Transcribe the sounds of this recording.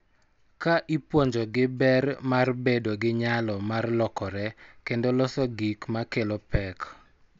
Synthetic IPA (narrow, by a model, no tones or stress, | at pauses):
kaʔipwɔɲd͡ʒɔɡɪbɛrmarbedoɡɪɲalɔmarlɔkɔɾɛkendolɔsɔɡikmakelopɛk